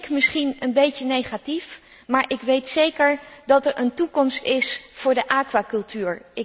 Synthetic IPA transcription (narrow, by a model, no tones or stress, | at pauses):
kmɪsχinənbejcənejχatif | maːɹʔɪkʋejtsejkəɹdɑtɛɹʔəntukɔmstɪsfʊːɹdəʔaːkʋaːkɵlˠtyːɹʔɪ